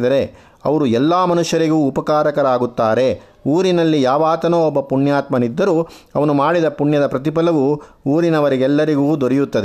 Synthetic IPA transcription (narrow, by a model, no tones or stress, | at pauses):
d̪ɐɾe̞ | ɐʋɐɾuɛlːaːmɐnuʂjɐɾiɡuːpɐkaːɾɐkɐɾaːɡut̪ːaːɾe̞ | uːɾinɐlːijaːʋaːt̪ɐnoːɔbːɐpuɳjaːt̪mɐnid̪ːɐɾuː | ɐʋɐnumaːɽid̪ɐpuɳjɐd̪ɐpɾɐt̪̬ipɐlɐʋu | uːɾinɐʋɐɾiɡɛlːɐɾiɡuːd̪oɾijut̪ːɐd̪e